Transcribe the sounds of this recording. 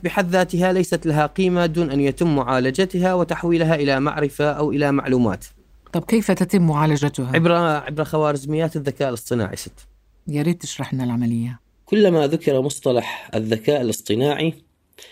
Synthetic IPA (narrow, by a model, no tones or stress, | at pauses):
bɪħaðːaːt̪ɪɦalajsat̪laɦaqiːmad̪uːnʔanjat̪ɪmːʊʕaːlad͡ʒat̪ɦawɪt̪aħwiːlɦaʔɪlama̰ʕɾɪfaʔawʔɪlama̰ʕluːma̰ːt̪ | t̪ˤɑb̚kejfat̪at̪ɪmːʊʕaːlad͡ʒat̪ʊhaɪbɾaʕɪ̰bɾaxawaːɾɪzmɪjːaːt̪ɪðːakaːʔɪlɨsˤt̪ˤɨna̰ːʕḭsɪt̪ː | jaɾiːd̪̚t̪ɪʃɾˤɑħmɪnɪlʕamalɪjːa | kʊlːmaðʊkɪɾˤamʊsˤt̪ˤɑlɑħɪ̰ðːakaːʔɪlʔɨsˤt̪ˤɨnaːʕi